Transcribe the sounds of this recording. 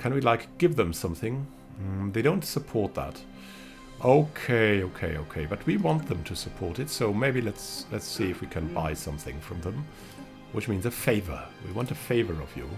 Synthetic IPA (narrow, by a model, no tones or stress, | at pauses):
kʰɨ̃nwilaɪkɡ̥ɪvðə̃msʌ̃mθɪ̃ŋ | ðeɪɾõʊ̃ntsəpʰɔɹt̪̚ðə̰t | ʔoʊkʰeɪoʊkʰeɪo̰ʊkʰeɪbʌt̚wiwɑ̃nðə̃mtʰɨsɨpʰɔɹɾɨtsoʊmeɪbilɨtslɨtsiɨfwikʰɨ̃nbaɪsʌ̃mθɪ̰̃ŋfɹʌ̃mðə̃m | wɨt͡ʃmĩnzɨfeɪvə̰˞wḭwɑ̃ntɨfeɪvə˞ʌ̰vjɨ̰